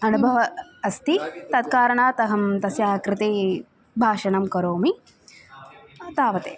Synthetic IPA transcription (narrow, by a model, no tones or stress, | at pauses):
ɐnubʱɐʋɐːst̪it̪ɐd̪̚kaːɾɐɳaːt̪ɐɦɐmt̪ɐsjaːkɾɪt̪eː | bʱaːʃɐnɐmkɐɾoːmi | ɐt̪aːʋɐt̪eː